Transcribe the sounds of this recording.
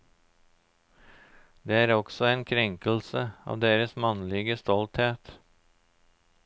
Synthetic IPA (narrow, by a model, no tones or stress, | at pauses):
d̪eːæːɾɔksɔeːnkʰɾɛŋkəl̩səɑ̰ːʋd̪eːɾəsmɑnlɪɡəst̪ɔlt̪heːt̪